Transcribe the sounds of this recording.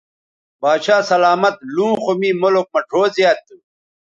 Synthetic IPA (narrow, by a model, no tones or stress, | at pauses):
baːɕaːsɐlaːmɐt̪̚lũːxomiːmolok̚mɐʈʰoːzijaːt̪̚ːu